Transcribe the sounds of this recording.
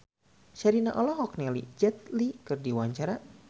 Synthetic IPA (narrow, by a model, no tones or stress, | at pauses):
ʃaɾinaʔɔlɔɦɔk̚nɛlḭd͡ʒɛt̪̚likɨrdiwaɲt͡ʃaɾa